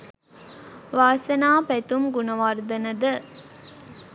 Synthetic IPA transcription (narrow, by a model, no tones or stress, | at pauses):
ʋaːsɐnaːpæt̪umɡunɐʋard̪ɐnɐd̪ə